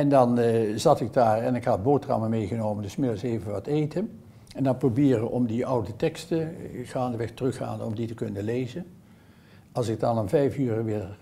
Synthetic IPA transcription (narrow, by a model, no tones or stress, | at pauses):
ɛndɑnzɑtɪɡ̚daːɹɛnɪkɦɑd̚boːtrɑ̰məmejɣənowməndɵsmɪdəsejvənʋɑtejtən | ɛndɑnprobɪːrəʔɔmdiʔʌwdətɛkstəɣaːndəʋɛxtərɵxa̰ːnɔ̰mditəkɵnəlejzən | ɑlˠsɪɡ̚dɑnɔmvɛjfyːrəʋɪːɹ